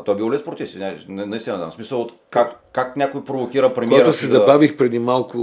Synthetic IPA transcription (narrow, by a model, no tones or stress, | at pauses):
ɐt̪ɔjbilɔliɛspɾot̪ifsʲinʲannɐist̪inɐt̪a̰msmisəlˠot̪ | kak | kaknʲakojpɾovokʲiɾəpɾɛmkaɛɾt̪ʊsɛzɐbavixpɾɛd̪imalˠkʊ